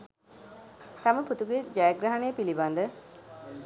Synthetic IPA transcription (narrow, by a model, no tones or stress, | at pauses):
t̪ɐməput̪uɡed͡ʒɛːɡɾɐɦɐneːpiliband̪ə